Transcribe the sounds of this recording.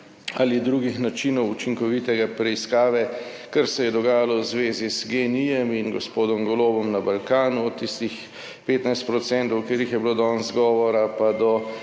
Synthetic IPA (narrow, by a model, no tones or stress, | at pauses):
alid̪ɾuːɡixnat͡ʃinɔwut͡ʃiŋkɔʋit̪ɛɡapɾɛiskaːʋɛ | kəɾsɛjɛd̪ɔɡaːjalɔwzʋeːzizɡenijɛminɡɔspoːd̪ɔmɡɔloːbɔmnabalkaːnuɔt̪ːist̪ix | peːt̪najst̪̚pɾɔt̪sɛnt̪ɔwkeːɾjixjɛbiloːd̪ɔːnzɡɔːʋɔɾapad̪ɔ